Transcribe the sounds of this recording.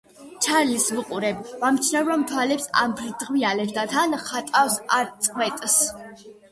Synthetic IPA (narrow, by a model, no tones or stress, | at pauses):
t͡ʃʰaɾlisvuqʼuɾɛbvamt͡ʃʰnavɾamt̪ʰwalɛpsa̰mbɾd̪ʁvialɛvd̪at̪ʰanχat̪ʼafsaɾt̪sʼqʰwɛt̪ʼs